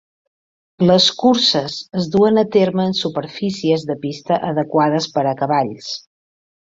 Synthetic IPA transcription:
ləskuɾsəzəzðuənət̪eɾməːnsupəɾfisiəzðəpist̪əʔəðəkwaðəspəɾəkəβaʎs

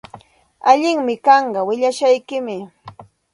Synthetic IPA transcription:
aʎɪŋmɪkɑɴɢɑwɪʎaʃajkɪmɪ

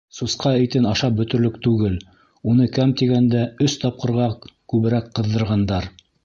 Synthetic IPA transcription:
susqɑɘ̆jt̪ɘnɑʃɑp̚bɵ̆t̪ɵ̆ɾlɵk̚t̪ʉɡɘl | unɤkæmt̪iɡænd̪æɵst̪ɑp̚qɤ̆ɾʁɑkʉβɘ̆ɾækqɤ̆ðːɤ̆ɾʁɑnd̪ɑɾ

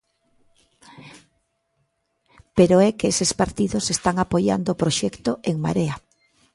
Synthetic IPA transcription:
peɾoɛkeesespaɾt̪iðʊsest̪aŋapoja̰nd̪oːpɾoʃɛkt̪oeŋma̰ɾea

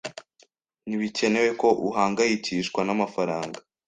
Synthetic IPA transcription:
niβice̞ne̞we̞ko̞ʔuɦaːŋɡajiciːʃkwanamafaɾaːŋɡa

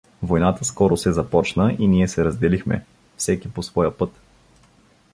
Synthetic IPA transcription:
vojnat̪əskɔɾʊsɛzɐpɔt͡ʃnəʔiniɛsɛɾəzd̪ɛlixmɛ̰ | fsɛkiposvɔjəpɤt̪

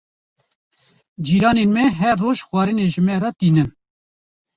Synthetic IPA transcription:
d͡ʒiːɾɑːnenmɛɦɛɾːoːʒxʷwɑːɾɨneʒəmɛɾɑːt̪iːnɨn

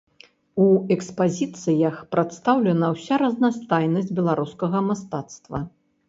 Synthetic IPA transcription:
uɛkspazʲit̪sɨjɐxpɾat̪st̪awlʲɛnɐwsʲaɾɐznast̪ajnɐsʲd͡zʲbʲɛlˠaɾuskɐɣɐmast̪at̪st̪vɐ

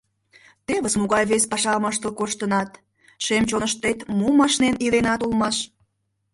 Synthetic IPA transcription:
t̪eβəsmuɣɑjβespɑʃɑmɑʃt̪əlkoʃt̪ənɑt̪ | ʃemt͡ɕonəʃt̪ːet̪mumɑʃneniɾenɑt̪ulˠmɑʃ

